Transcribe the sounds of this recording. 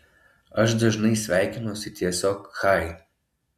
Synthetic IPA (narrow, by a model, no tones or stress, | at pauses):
ɐʃd̪ɐʒnɐɪsʲʋʲæˑɪkʲɪnɐʊsʲɪt̪ʲiɛsʲoːkxɑˑɪ